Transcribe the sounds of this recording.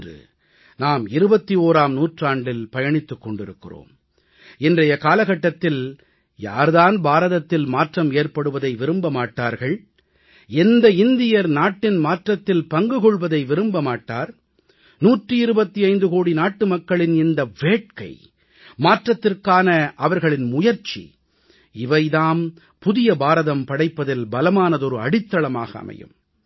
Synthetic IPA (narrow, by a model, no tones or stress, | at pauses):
drɯ̰ | naːmɪɾɯbɐt̪ːioːɾaːmnuːʈraːɳɖɪlpɐjɐɳɪt̪ːɯkːɔɳɖɪɾɯkːɪro̰ːm | ɪndrɐjɐkaːlɐɣɐʈːɐt̪ːɪl | ja̰ːɾðaːnbaːɾɐðɐt̪ːɪlmaːʈrɐmeːrpɐɽɯʋɐðɐɪʋɪɾɯmbɐmaːʈːaːɾɣɐɭ | ɛnd̪ɐɪnd̪ɪjɐɾnaːʈːɪnmaːʈrɐt̪ːɪlpɐŋɡɯɣɔɭʋɐðɐɪʋɪɾɯmbɐmaːʈːa̰ːɾ | nuːʈrɯɪɾɯbɐt̪ːiɐɪnd̪ɯkoːɽinaːʈːɯmɐkːɐɭɪnɪnd̪ɐʋeːʈ̚kɐ̰ɪ | maːʈrɐt̪ːɪrkaːnɐʔɐʋɐɾɣɐɭɪnmʊjɐɾt͡ʃːḭ | ɪʋɐɪðaːm | pʊðɪjɐbaːɾɐðɐmpɐɽɐɪpːɐðɪlbɐlɐmaːnɐðɔɾɯɐ̰ɽɪt̪ːɐɭɐma̰ːɣɐ̰ɐ̰mɐ̰jɯ̰m